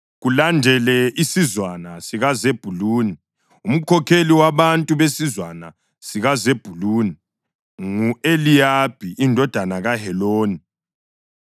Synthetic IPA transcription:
ɣulandʱɛlɛisizwanasiɣazeb̥ʱuluːni | um̩kʰɔkʰeliwaβantʼuβesizwana | siɣazeb̥ʱuluːni | ŋuelijab̥ʱiʔindʱɔd̥ʱanaɣahɛloːni

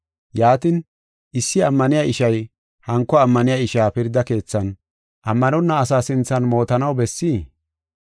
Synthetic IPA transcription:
jaːt̪ɪn | ɪsːɪɐmːɐnɪjaʔɪʃɐj | hɐŋkːɔɐmːɐnɪjaɪʃaːpɪɾd̪ɐke̞ːt͡sːɐn | ʔɐmːɐnɔnːɐːs̬aːsɪnt͡sːɐnmo̞ːt̪ɐnɐwbɛsːiː

